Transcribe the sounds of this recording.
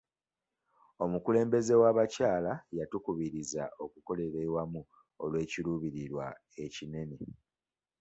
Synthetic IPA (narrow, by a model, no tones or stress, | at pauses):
o̞mukule̞ːmbe̞ze̞waβacaːlajatukuβiɾiza̰o̞kuko̞le̞ɾewamu | olwe̞ːciluːβiɾiɾwa̰ | e̞cine̞ne̞